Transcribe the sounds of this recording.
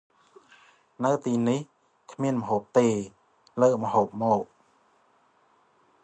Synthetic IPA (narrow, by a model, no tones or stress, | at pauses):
nɨwt̪iːnih | kʰmiənməɦoːp̚t̪eː | ləːʔ̚məhoːp̚mɔːk̚